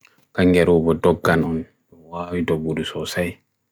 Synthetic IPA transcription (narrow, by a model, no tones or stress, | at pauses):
kaŋɡɛɾuːbɔdɔɡːanɔn | ɗɔwaːwidɔbːudusɔsaj